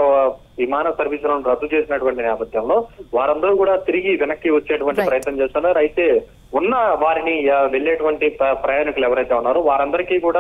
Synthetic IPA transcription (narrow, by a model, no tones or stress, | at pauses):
ʋimaːnɐsɐɾʋiːsulɐnuɾɐd̪ːut͡ʃeːsinɐʈuʋɐɳʈinɛːpɐd̪ʱjɐmlo̞ːʋaːɾɐnd̪ɐɾuːkuːɽaːt̪iɾiɡiʋɛnɐkːiʋɐt͡ʃːeːʈuʋɐɳʈipɾɐjɐt̪nɐɲt͡ʃeːst̪uːnːaːɾuɐjt̪e̞ː | unːɐʋaːɾiniʋe̞ɭːeːʈuʋɐɳʈipɾɐjaːnikuluɛʋɐɾɐjt̪eːunːaːɾuʋaːɾɐnd̪ɐɾikiːkuːɽaː